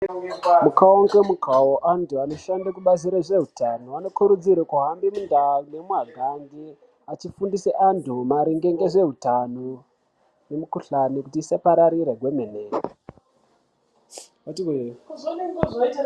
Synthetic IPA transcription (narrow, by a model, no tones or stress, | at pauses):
mukaoŋɡemukaoʔantuano̞ʃandakuɓaziɾaʐeɦutanoano̞kuɾud͡ziɾakuɦambimundaune̞muɦaɡʱandi | at͡ʃifundiseʔantumaɾiŋɡeŋɡeʐe̞ɦutano | ne̞mukuɬanikutiːsapaɾaɾiɾeɡʱwe̞mene